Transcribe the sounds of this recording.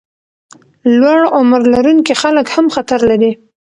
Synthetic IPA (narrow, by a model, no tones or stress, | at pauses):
lwaɽʊmɾlaɾuŋkixaləkhamxat̪aɾlaɾi